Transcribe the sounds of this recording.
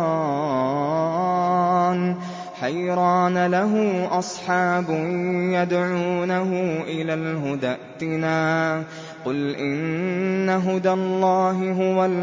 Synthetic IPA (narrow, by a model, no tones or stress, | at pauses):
n | ħajɾˤɑːnalaɦʊʔɑsˤħɑːbʊjad̪ʕuːnaɦʊʔɪlaːlɦʊd̪aʔt̪ɪnaː | qʊlʔɪnnːaɦʊd̪alˤːɑːɦɪɦʊwal